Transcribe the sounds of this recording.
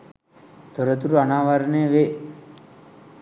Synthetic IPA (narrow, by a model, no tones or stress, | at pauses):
t̪oɾət̪uɾuanaːʋaɾənejəʋe